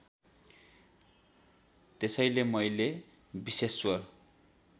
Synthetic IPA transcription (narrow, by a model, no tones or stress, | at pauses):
t̪esʌjlemʌjle | biseswʌr